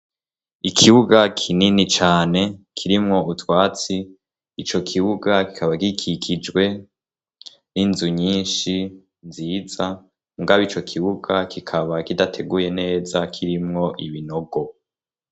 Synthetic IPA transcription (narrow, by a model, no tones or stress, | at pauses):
ikʰiβuɡakʰininit͡ʃaːne̞kʰiɾimŋo̞ʔutwaːt͡siː | t͡ʃo̞kʰiβuɡaki̥kaβakikʰikʰid͡ʒɡwe̞ | ninzuɲiːnʃi | nziːza | muɡaβit͡ʃo̞kʰiβuɡakʰikʰaβakidatʰe̞ɡuje̞ne̞ːzakʰiɾimŋo̞ʔiβino̞ɡo